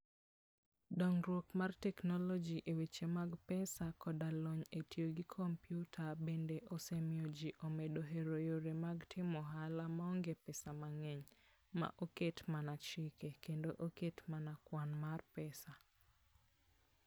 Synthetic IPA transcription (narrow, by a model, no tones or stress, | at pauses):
dɔŋɾwokmartɛknɔlɔd͡ʒiʔewit͡ʃemaɡpɛsakɔdalɔɲetjoɡikʰompjutʰabendeʔosemjod͡ʒiʔomedoɦeɾojoɾemaɡtʰɪmɔɦalamaɔŋɡepɛsamaŋɛɲ | ma̰ʔoketmanat͡ʃɪkekendoʔoketmanakwanmarpɛsa